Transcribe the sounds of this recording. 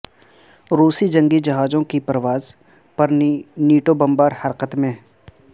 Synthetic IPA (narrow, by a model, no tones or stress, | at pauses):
ɾuːsid͡ʒɐ̃ŋɡid͡ʒɐɦaːd͡ʒõkipɾəʋaːz | pɐɾniːʈobɐ̃mbaːɾhɐɾqət̪mẽ